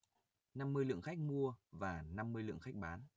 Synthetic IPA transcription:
na˧mːɨ˧əjlɨ̰˧˨əŋxa˦˥k̚mu˧əvaː˨˩na˧mːɨ˧əjlɨ̰˧˨əŋxa˦˥k̟̚ɓaː˨˦n

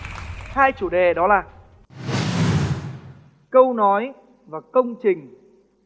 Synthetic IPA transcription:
haː˧jt͡ɕu˧˩ɗe˨˩ɗɔ˨˦laː˨˩ | kə˧wnɔ˨˦j | vaː˨˩kə˧wŋ͡mt͡ɕï˨˩ŋ̟

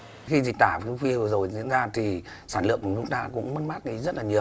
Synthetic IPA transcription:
xi˧zi˨˩k̚t̪aː˧˩vxwi˧vɨ˨˩zo˨˩jzḭ˧˥ənzaː˧t̪ʰi˨˩ | saː˧˩nlɨ̰˧˨ək̚u˧˩ŋ͡mzu˦˥na̰ː˧˨kʊ̰˧˥ŋ͡mmə˦˧nmaː˦˥t̚ɗi˨˦zə˦˥t̚laː˨˩ɲi˨˩ə

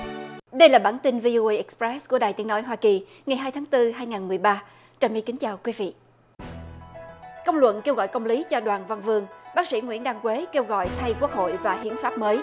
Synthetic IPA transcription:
ɗə˧jlaː˨˩ɓaː˧˩nt̪i˧nvi˧ʔo˧ʔə˧jʔɛ˦˥k̚spɹɛ˦˥sku˧˩əɗaː˨˩jt̪i˨˦ənɔ˨˦jɦwaː˧ki˨˩ | ŋa˨˩jɦaː˧jt̪ʰaː˨˦ŋt̪ɨ˧ɦaː˧jŋaː˨˩nmɨ˨˩əjɓaː˧ | t͡ɕaː˨˩mi˧˦kï˨˦ŋ̟t͡ɕaː˨˩wkwi˨˦vḭ˧˨ | kə˧wŋ͡mlwə̰˧˨nke˧wɣɔ̰˧˨jkə˧wŋ͡mli˨˦t͡ɕɔ˧ɗwaː˨˩nva˧nvɨ˧əŋɓaː˦˥k̚sḭ˧˥ŋwḭ˧˥ənɗaː˧ŋkwe˨˦ke˧wɣɔ̰˧˨jt̪ʰa˧jku˦˥ək̚ho̰˧˨jvaː˨˩ɦḭ˧˨ənfaː˦˥p̚məː˨˦j

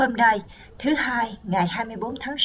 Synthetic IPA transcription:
ə˧mna˧j | t̪ʰɨ˨˦haː˧jŋa˨˩jhaː˧jmɨ˧əjɓo˨˦nt̪ʰaː˨˦ŋs

